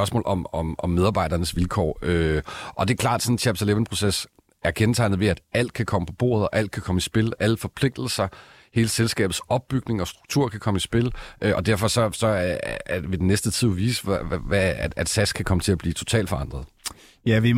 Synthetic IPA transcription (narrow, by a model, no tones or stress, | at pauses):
ɶɐsmɔ̰ːlʔɒ̽mɒ̽mɒmːeð̞ˠb̥ɑ̈ɪ̥ɐnəsʋilkʰɒ̰ːøʔɒ̽d̥e̝ɐkʰlɑ̈ːd̥sɒ̽n̩t͡sʰæb̥seleʋənpʰʁo̝ses | æɐkʰent͡sʰɑ̈ɪ̰nð̩ˠʋe̝æd̥æl̰d̥̚kʰækʰɒ̽məpʰɒ̽b̥o̝̰ːɐð̞ˠɒ̽ʔæl̰d̥̚kʰækʰɒ̽məisb̥e̝lʔæləfɒ̽pʰl̥e̝ɡ̥̚d̥l̩sɐ | he̝ːləselsɡ̥ɛ̰ːb̥ð̩ˠsɒ̽b̥̚b̥yɡ̥ne̝ŋɒ̽sd̥ʁuɡ̥̚t͡sʰuɐ̰kʰækʰɒ̽misb̥e̝lʔøʔɒ̽d̥æɐ̰fɒ̽sɒ̽sɒ̽æɐdeʋe̝denːesd̥ət͡sʰið̰ˠʋḭːsææd̥sæskʰækʰɒ̽mət͡sʰe̝læb̥liːt͡sʰo̝̥t͡sʰɛ̰ːld̥fɒ̽ɑ̈nd̥ʁɐð̩ˠ | jæʋi